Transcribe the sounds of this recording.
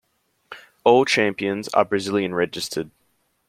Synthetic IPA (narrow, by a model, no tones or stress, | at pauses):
oʊl̚ˠt͡ʃʰæ̃mpiɨ̃nzə̰bɹɨzɪlˠjiɨ̃nɹɛd͡ʒɨstʰəd̥̚